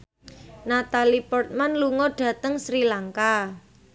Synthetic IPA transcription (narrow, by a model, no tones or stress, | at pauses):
nat̪alipɔrt̪̚manluŋɔɖ̥ä̤t̪əŋsɾilaŋka